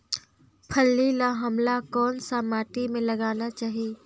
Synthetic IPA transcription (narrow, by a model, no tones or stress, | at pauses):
pʰəlːilaɦɐmlakɔːnsamaːʈimẽlɐɡaːnat͡ʃaːɦieː